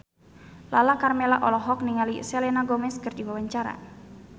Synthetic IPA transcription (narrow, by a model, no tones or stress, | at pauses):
lalakarmelaʔɔlɔɦɔk̚niŋaliselenaɡɔmɛskərd͡ʒiwawaɲt͡ʃaɾa̰